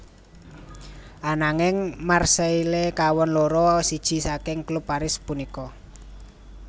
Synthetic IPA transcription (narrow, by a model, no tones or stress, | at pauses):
ʔanaŋɪŋmarsəilekawɔnloɾɔsid̥ʒ̥i̤sakɪŋklupːaɾɪspunikɔ